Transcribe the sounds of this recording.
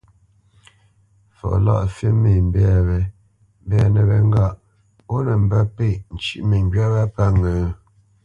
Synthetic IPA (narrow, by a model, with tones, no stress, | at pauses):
fɔ̰˨la̰˦˨ʔfe˦me˨m̩˨bɛ˦a˨βɛ˨ | m˦bɛ˦a˨nə˨bɛ˨ŋ˦ɡa˦˨ʔ | o˦nə˨m̩˨bə˦pe˦˨n̩˨t͡ʃi˦ʔmə˨ŋ˦ɡɥa˦ba˦pa˦ŋə˨˦